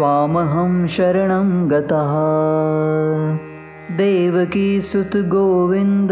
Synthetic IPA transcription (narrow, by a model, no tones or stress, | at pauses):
ʋaːmɐɦɐmʃɐɾɐɳɐmɡɐt̪ɐɦɐ | d̪eːʋɐkisut̪ɡoːʋind̪